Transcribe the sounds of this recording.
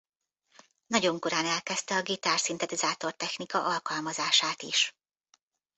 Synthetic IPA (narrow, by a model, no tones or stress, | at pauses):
nɒɟo̞ŋko̞ɾaːnɛlkɛst̪ɛɒɡit̪aːrsint̪ɛt̪izaːt̪o̞rt̪ɛxnikɒʔɒlkɒlmɒzaːʃaːt̪ḭʃ